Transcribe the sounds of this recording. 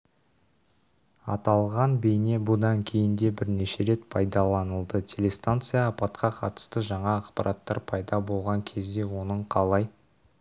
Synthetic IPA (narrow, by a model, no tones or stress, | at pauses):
ɑ̰t̪ɑlˠʁɑnbejne̞bʊd̪ɑŋkʲʰe̞jɪnd̪e̞bɪɾne̞ʃe̞ɾe̞t̪pʰɑjd̪ɑlˠɑnəlˠd̪ət̪ʲʰe̞le̞st̪ant̪sɨjɑːpɑt̪qɑqʰɑ̰t̪ə̥st̪əʒɑɴɑːqpɑ̰ɾʔɑt̪ːɑɾpʰɑjd̪ɑbo̞lˠʁɑŋkʲʰe̞zd̪e̞wo̞nəɴqʰɑlˠɑj